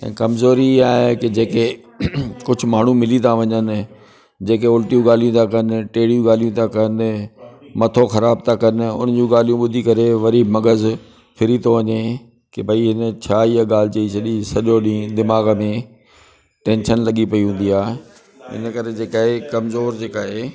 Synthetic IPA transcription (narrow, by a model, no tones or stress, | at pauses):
ɛ̰̃ːkɐmzoːɾiaːɦeked͡ʑeːke | kʊd͡ʑʱʊ̆maːɳ̤ũmɪlit̪aʋɐɲən | d͡ʑeːkeoːlʈijũɡaːl̤ijũt̪ʰakɐnʈeːɽijũɡaːl̤ijũt̪ʰakɐn | mɐt̪ʰoxɐɾaːbt̪ʰakɐnʊ̰nəd͡ʑũːɡaːl̤ijũɓʊd̪ʱikɐɾeʋɐɾimɐɡəz | fʰɪɾit̪ʰoʋɐɲe | kebʱɐiɦɪnə̆t͡ɕʰaːijəɠaːl̤ɪt͡ɕɐit͡ɕʰɐɗisɐʄoɗĩːd̪ɪmaːɣmẽ | ʈẽːnʃənlɐɠipɐiɦũːnd̪iaː | ɪ̰nəkɐɾed͡ʑeːkaːɦekɐmzoːɾd͡ʑeːkaːɦeː